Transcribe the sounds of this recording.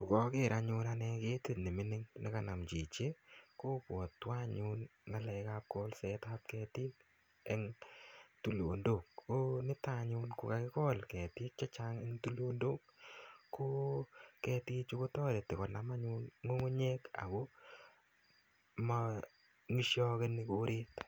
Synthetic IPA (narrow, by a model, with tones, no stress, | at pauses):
ku˨kɔ˦kɪ˦˨ɾa˨ɲʊ˧nanɛ˧ke˦tɪ˦nɪ˨mɪ˦nɪ˦ŋnɪ˦ka˨na˨mt͡ʃi˨t͡ʃe˦ko˦pwɔ˨tːwa˦ɲʊ˦nŋa˦lɛ˧kap̚kɔ˦lsɛta˦t̚kɛ˧tɪ˦t | ɛ˦ŋ | tu˦˨lo˨ndo˨kːo˦nɪ˦ta˦ɲʊnko˨ka˨kɪ˦kɔ˦lkɛ˨tɪ˦t̚t͡ʃa˦t͡ʃaŋɛ˦ŋtu˦lo˦ndo˦kkːo˦kɛtɪ˦t͡ʃu˦ko˦tɔ˦ɾe˨tɪ˨kɔ˨na˨ma˦ɲʊ˦nŋo˦ŋo˦ɲe˦ka̰˨ko˦ | ma | ŋi˦ʃjɔ˦ke˦nɪ˦koɾe˦t